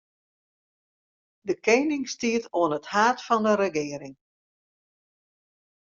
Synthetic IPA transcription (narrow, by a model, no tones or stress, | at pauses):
dəkeːnɪŋstiətoənəthaːtfɔndəɾəɡɪːəɾɪŋ